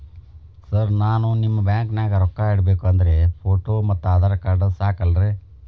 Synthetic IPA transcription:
sɐɾnaːnunimːɐbjaːŋknaːɡɐɾɔkːaːaːɽɐbeːkuɐnd̪ɐɾe̞pʰoːʈoːmɐt̪ːuaːd̪aːɾɐkaːɖɐsaːkɐlɐɾeː

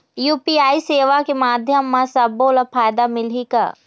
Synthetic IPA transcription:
juːpiːaːiseːʋakemaːd̪ʱjəmːãsɐbolapʰaːjd̪amɪlika̰ː

